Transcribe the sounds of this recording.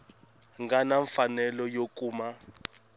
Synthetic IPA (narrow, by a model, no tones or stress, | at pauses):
ŋɡanaɱfanɛlɔjokʼuːma